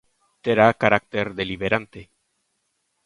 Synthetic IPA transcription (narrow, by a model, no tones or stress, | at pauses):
t̪eɾakaɾak̚t̪eɾðeliβeɾant̪e